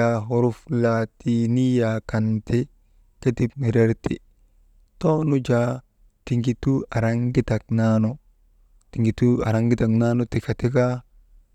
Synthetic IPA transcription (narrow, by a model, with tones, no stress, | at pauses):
a˨ɦo˨ɾu˦flatini˦jaka˨nti˦ | ke˦ti˦p̚mi˨ɾe˦ɾti˨ | to˦nu˦d͡ʒa˨ | ti˨ŋɡi˨tu˦a˨ɾaŋɡi˦ta˨k̚na˦no˨ | ti˨ŋɡi˨tu˦a̰˨ɾa˦ŋɡi˦ta˨kna˦no˦ti˨ka˨ti˦ka˦